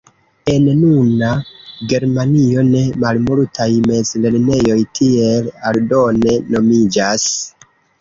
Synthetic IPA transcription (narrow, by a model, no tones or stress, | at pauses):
e̞nnunaɡe̞ɾmanio̞ne̞malmoɾtʰajme̞zle̞ɾne̞jo̞jtʰie̞laldo̞ne̞no̞mid͡ʒas